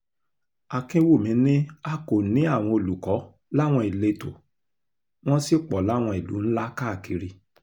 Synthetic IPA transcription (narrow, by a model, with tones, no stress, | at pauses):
a˧˨kĩ˦wo˦˨mĩ˨˦nĩ˦a˧ko˨nĩ˨˦a˦˨w̃ɔ̃˧o˨lu˨kɔ˨˦ | la˦˨w̃ɔ̃˧i˨le˧˨to̰˨ | w̃ɔ̃˦si˦k͡pɔ˨la˨˦˨w̃ɔ̃˧i˨dṵ˨˦n̩˦la˦ka˦˨ki˨˧ɾi˧